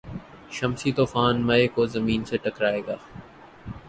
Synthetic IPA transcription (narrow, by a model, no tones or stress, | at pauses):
ʃəmsiːt̪oːfaːnmɐeːkoːzəmiːnseʈəkɾaːeːɡaː